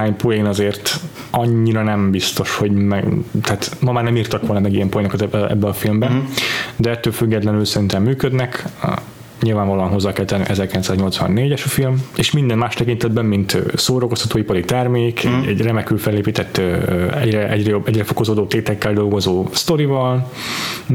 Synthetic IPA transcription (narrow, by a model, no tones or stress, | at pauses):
aːɲpojenɒzeːrt̪ | ɒɲːiɾɒnɛmbist̪o̞ʃho̞ɟmɛt̪ɛːt̪mɒmaːrnɛmiːrt̪ɒkʋo̞lnɒmɛɡijɛmpojenokɒt̪ɛɛ̰bːɛɒfilmbɛd̪ɛɛt̪ːøːlfyɡːɛt̪lɛnylsɛɾint̪ɛmːyːkød̪nɛk | ɲilvaːɱvɒloːɒnɦo̞zːaːkɛlt̪ɛnːy̰ʔɛzɛrkilɛnsaːzɲo̞lt̪sʋɒ̰nːeːɟɛʃɒfilmeːʃmind̪ɛnmaːʃt̪ɛkint̪ɛd̪bɛmːint̪ːsoːɾoko̞st̪ɒt̪oːipɒɾit̪ɛrmeːkɛɛɟrɛmɛkylfɛlːeːpiːt̪ɛt̪ːøɛɟrɛʔɛɟrɛjo̞bːɛɟɾɛfo̞ko̞zoːd̪oːt̪eːt̪ɛkːɛld̪o̞lɡo̞zoːst̪o̞ɾivɒl